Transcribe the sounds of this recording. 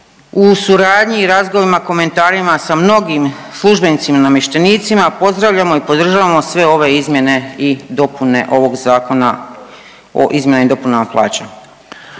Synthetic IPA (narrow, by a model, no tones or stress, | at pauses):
usuɾaːd̪ɲiːɾazɡoʋimako̞me̞nt̪aːɾimasamno̞ɡim | slˠuʒbenit̪simanamje̞ʃt̪eniːt̪simapo̞zd̪ɾaʋʎamo̞ipo̞d̪r̩ʒaʋamo̞sʋe̞o̞ʋe̞izmje̞ne̞id̪o̞pune̞ʔo̞ʋo̞ɡzaːko̞na | o̰ʔizmje̞naid̪o̞punaplˠʔa̰ːt͡ɕa